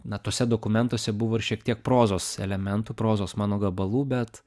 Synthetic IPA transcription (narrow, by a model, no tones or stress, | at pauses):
nɐt̪oːsʲɛd̪oːkʊmʲɛnt̪oːsʲɛbʊʋoːɪɾʃʲiɛkt̪ʲiɛk̚pɾoːzoːsɛ̰lʲɛmʲɛnt̪uːpɾoːzoːsmɑːnoːɡɐbɐlˠuːbʲɛt̪